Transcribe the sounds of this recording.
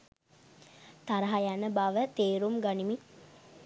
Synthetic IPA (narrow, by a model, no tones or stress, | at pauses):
t̪aɾəɦajanəbaʋət̪eːɾumɡanimi